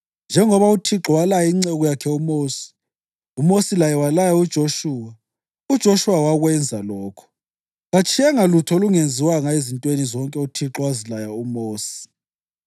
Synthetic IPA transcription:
nd͡ʒʱɛŋɔβautʰiǁɔwalajaiŋ͡ǀeɣujakʰɛumoːsi̥ | umosilajɛwalajaud̥ʒ̥ʱoʃuːwa | ud̥ʒ̥ʱoʃuwawaɣwɛnd͡zʱalɔːkʰɔ̥ | ɣat͡ʃʼiɛŋalutʰɔoluŋend͡zʱiwaŋaezintʼwenizɔŋkʼɛutʰiǁɔwazilajaumoːsi̥

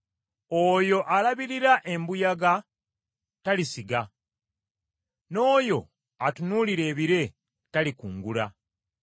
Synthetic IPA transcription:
ojo̞ʔalaβiɾiɾaʔe̞mbujaɡa | talisiɡa | no̞ːjo̞ | atunuːliɾe̞ːβiɾe̞ | talikṵːŋɡula

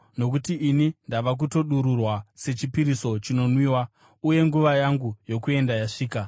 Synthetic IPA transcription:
no̞k̬utiʔːnindaʋak̬uto̞ɗuɾurwase̞t͡ʃipiɾiso̞t͡ʃino̞nwiːwa | uje̞ŋɡuʋajaŋɡujo̞kue̞ndajaʂiːka

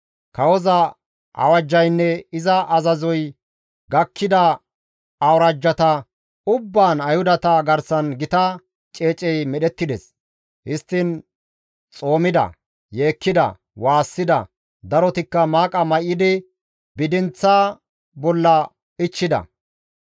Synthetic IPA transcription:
kɐwɔzɐ | ʔɐ̰wɐd͡ʒːɐjnːɛɪzɐʔɐzɐzɔj | ɡɐkʰːɪd̪ɐ | ɐwɾɐd͡ʒːɐt̪ɐ | ʊbːaːnɐjhʊd̪ɐt̪ɐɡɐɾsɐnɡɪt̪ɐ | t͡ʃʼe̞ːt͡ʃʼɛjmɛɗɛt̪ːɪd̪ɛs | hɪst̪ːɪn | t͡sʼo̞ːmɪd̪ɐ̰ | jeːkːɪd̪ɐ̰ | waːsːɪd̪ɐ̰ | d̪ɐɾɔt̪ɪkːɐmaːkʼɐmɐjɪd̪ɪ | bɪd̪ɪnt͡sːaː | bɔlːɐ | ɪt͡ʃːɪd̪ɐ̰

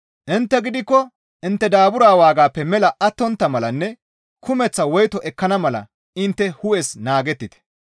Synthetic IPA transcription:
ʔɪnt̪ːɛɡɪd̪ɪkːɔ | ʔɪnt̪ːɛd̪aːbʊɾaːwaːɡaːpːɛmɛlɐʔɐt̪ːɔnt̪ːɐmɐlɐnːɛ | kʰʊmɛt͡sːɐwɔjt̪ɔʔɛkːɐnɐmɐlɐ̰ | ɪnt̪ːɛhʊʔɛsnaːɡɛt̪ːɪt̪ɛ̥

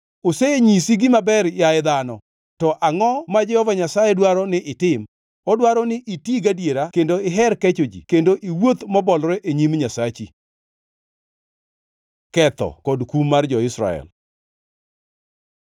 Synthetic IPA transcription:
oseeɲisiɡimabɛrjaɪd̪anɔ | tɔʔaŋɔmad͡ʒɛhɔvaɲasajɛdwaɾɔnɪʔɪtɪm | ɔdwaɾɔnɪʔitjiɡadjeɾakendoɪɦɛɾkɛt͡ʃod͡ʒḭkendoʔiwot̪mɔbɔlɾɛʔeɲimɲasat͡ʃḭ | kɛt̪ɔ̰kɔdkumːard͡ʒɔɪsɾa̰ɛ̰l

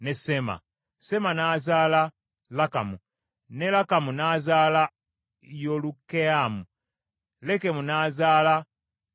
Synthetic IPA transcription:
nesema̰ | se̞manaːzaːla | laka̰mu | nelakamunaːzaːla | jolukeamu | le̞ke̞munaːzaːla

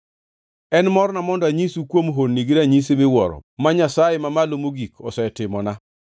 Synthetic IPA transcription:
ɛnmɔrnamɔndɔaɲisukwomɦonːiɡiɾaɲisemɪwɔɾɔ̰maɲasajemamalomoɡikʰɔsɛtɪmɔna

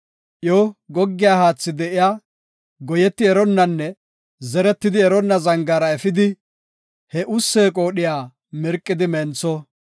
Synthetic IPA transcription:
ʔjoːɡɔɡːɪjaːhaːt͡sːɪd̪ɛʔɪjaː | ɡɔjɛt̪ːɪɛɾɔnːɐnːɛ | zɛɾɛt̪ːɪd̪ɪɛɾɔnːɐzɐŋɡaːɾɐɛfɪd̪ɪ | hɛʔʊsːeːkʼo̞ːɗɪjaː | mɛɾkʼːɪd̪ɪmɛnt͡sːɔ

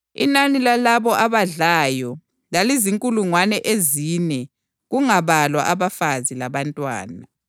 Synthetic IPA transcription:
ḭnanilalaβɔʔaβaɮajɔ | laliziŋkʼuluŋwanɛʔeziːnɛ | ɣuŋaβalwa̰ʔaβafazilaβantʼwa̰ːna

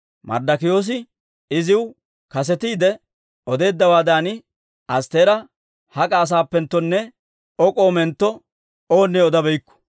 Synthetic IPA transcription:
mɐ̰ɾd̪ɐkɪjo̞ːs̬ɪ | ɪzɪw | kɐs̬ɛt̪iːd̪ɛ | ɔd̪e̞ːd̪ːɐwaːd̪aːnɪ | ɐst̪e̞ːɾɐ | hɐkʼaːs̬aːpːɛnt̪ːɔnːɛ | ɔkʼoːmɛnt̪ːɔ | oːnːɛɔd̪ɐbɛjkːɔ̥

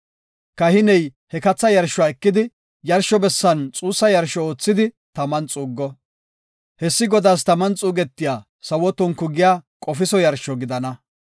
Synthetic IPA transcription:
kɐhɪnɛjhɛkɐt͡sːɐjɐɾʃʊwaːɛkːɪd̪ɪ | jɐɾʃɔbɛsːɐnt͡sʼuːsːɐjɐɾʃɔoːt͡sːɪd̪ɪ | t̪ɐmɐnt͡sʼuːɡːɔ | hɛsːɪɡɔd̪aːs̬t̪ɐmɐnt͡sʼuːɡɛt̪ːɪjaː | sɐwɔt̪ɔŋkːʊɡɪjaːkʼɔfɪsɔjɐɾʃɔɡɪd̪ɐnɐ

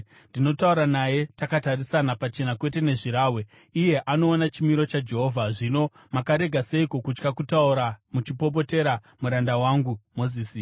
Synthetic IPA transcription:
ndino̞tauɾanaje̞takatarisanapat͡ʃe̞nakwe̞te̞ne̞ʐiɾaːwe | ije̞ʔano̞ːnat͡ʃimiɾo̞t͡ʃad͡ʒe̞ɦo̞ːvʱaʐino̞ | makaɾe̞ɡʱase̞ikokut͡ʃkakutauɾamut͡ʃipo̞p̬o̞te̞ɾa | muɾandawaŋɡumoziːsi

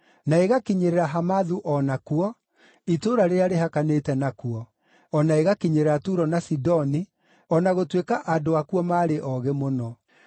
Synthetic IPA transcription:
naeɣakiɲeɾeɾaɦamaðuʔɔnakuɔ | itoːɾaɾeeaɾeɦakaneːtɛnakuɔ | ɔnaeɣakiɲeɾeɾatuɾɔnasidɔni | ɔnaɣotwekaʔandoakuɔmaːɾeʔɔɣemonɔ

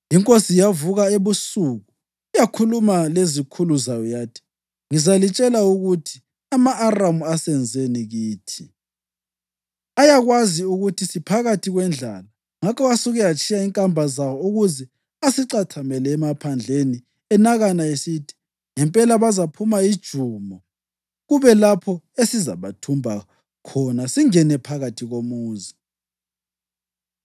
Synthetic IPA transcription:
iŋkʼosijavuɣaeβusuːɣu | ijakʰulumalezikʰuluzajɔjaːtʰi̥ | ŋizalit͡ʃʼɛlauɣutʰi̥ | amaʔːramuasɛnd͡zʱeniɣiːtʰi | ajaɣwaziuɣutʰisipʰaɣatʰiɣwɛnd͡ɮʱa̰la | ŋakʰɔasuɣɛjat͡ʃʰʼijaiŋkʼambʱazawɔuɣuzɛ | asiǀatʰamɛlɛːmapʰand͡ɮʱeni | ɛnaɣanaesitʰi̥ | ŋɛmpʼɛlaβazapʰumaid̥ʒ̥ʱumɔ | ɣuβɛlapʰɔesiza̰βatʰumbʱa | kʰɔnasiŋɛnɛpʰaɣatʰiɣomuːzi

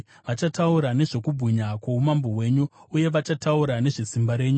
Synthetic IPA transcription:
ʋat͡ʃatauɾane̞ʐo̞kubʱuɲakwoumambo̞we̞ːɲuuje̞ʋat͡ʃatauɾane̞ʐesimbaɾe̞ːɲu

